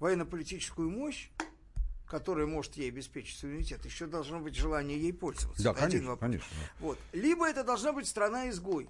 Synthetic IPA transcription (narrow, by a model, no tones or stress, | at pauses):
vɐjɛnːəpəlʲɪtʲit͡ɕɪ̥skʊjʊmo̞ɕ | kɐt̪o̞ɾəjəmo̞ʐɨt̪jejɐbʲɪspʲet͡ɕɪ̥tʲsʊmʲɪnʲɪtʲe̞t̪jɪɕːod̪ɐlˠʐno̞bɨtʲʐɨlˠanʲɪjəjejpo̞lʲzə̰və̰t̪sːaɐɐdʲinvɐkɐnʲḛʂnəd̪a̰vo̞t̪lʲibəɛt̪əd̪ɐlˠʐnabɨtʲst̪ɾɐnaɪzɡo̞j